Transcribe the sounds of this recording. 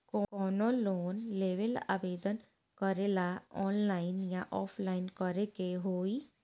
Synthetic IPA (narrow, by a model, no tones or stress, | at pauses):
kɔkɔːnoloːnleːʋəla̰ːʋeːd̪ən | kəɾelaɔːnlaːɪnjãʔɔːpʰlaːɪnkɔɾekeɦoːi